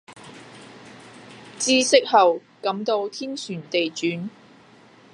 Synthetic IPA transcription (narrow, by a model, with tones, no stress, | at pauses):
t͡siː˥sɪ˥k̚hɐ˨wkɐ˨˥mt̪o˧wt̪ʰiː˥nsyː˨˩nt̪e˨jt͡ʃyː˨˥n